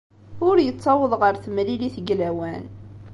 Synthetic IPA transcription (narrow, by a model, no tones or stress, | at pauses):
ʊɾjət͡sːɑwəðˤʁəɾθmliliθəɡlæwæn